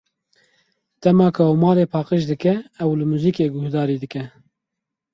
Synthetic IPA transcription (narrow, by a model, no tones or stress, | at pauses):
d̪̥ɛmɑːkʰʊomɑːɾeːpʰɑːqəʃd̪ɨkɛːwlɨmuːziːkeːɡʊhd̪ɑːɾiːd̪ɨkɛ